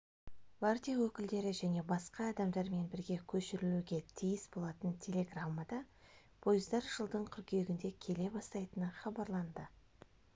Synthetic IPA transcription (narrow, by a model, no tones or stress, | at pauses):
vart̪ʲijawɵkʲɪld̪e̞ɾɪʒæne̞bɑsqɑːd̪ɑmd̪ɑɾme̞nbɪɾɡʲe̞kʲʰɵʃɪɾɪluɡʲe̞t̪ʰijɪsbo̞lˠɑt̪ənt̪ʲʰe̞lʲe̞ɡramːad̪ɑ | pʰo̞jɪzd̪ɑɾʒəlˠd̪əɴkʲʰʏɾkʲe̞ɡʲɪnd̪e̞kʲʰe̞le̞bɑst̪ɑjt̪ənəχɑbɑɾlˠɑnd̪ə